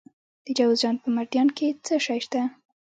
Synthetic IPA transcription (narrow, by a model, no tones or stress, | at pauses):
d̪̥əd͡ʒawzd͡ʒɑn̚pəmaɾd̪jɑnkʰet͡səʃɑjʃt̪a